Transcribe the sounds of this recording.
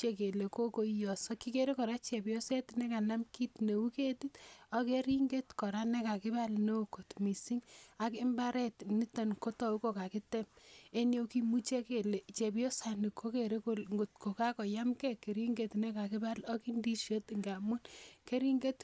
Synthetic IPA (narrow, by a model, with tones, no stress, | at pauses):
t͡ʃe˦ke˨le˨ko˦ko˦ijɔ˨sɔ˦ki˦ke˦ɾe˦kɔ˨ɾa˦t͡ʃɛ˨pjo˦se˦tnɛ˦ka˨na˦mki˦tne˨u˦ke˦ti˦tɔ˦ke˦ɾi˦ŋɡe˦tkɔ˨ɾa˦nɛ˦ka˨kɪ˦ba˦lne˦o˨ko˨tmi˨si˦ŋa˨kɪ˦mba˦ɾɛ˦tni˦ta˨nko˦tɔ˨u˦ko˨ka˨ki˦tɛ˦me˦njo˦ki˦mu˦t͡ʃe˦ke˨le˨t͡ʃe˨pjo˦sa˨ni˨kʰːo˦ke˨ɾe˦ko˦lŋɡo˨tko˨ka˦kɔ˨ja˦mkɛ˦ke˨ɾi˦ŋɡetnɛ˦ka˨kɪ˦ba˦lɔ˦ki˦ndi˦ʃo˦tŋɡa˨mu˦nke˦ɾi˦ŋɡe˦t